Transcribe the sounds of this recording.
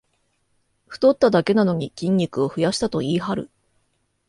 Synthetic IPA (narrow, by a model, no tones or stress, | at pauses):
ɸɯ̟̥t̪o̞t̪ːad̪ake̞nano̞ɲ̟ikʲĩɲʲːikɯ̟o̞ɸɯ̟jaɕi̥t̪at̪o̞iːhaɾɯ̰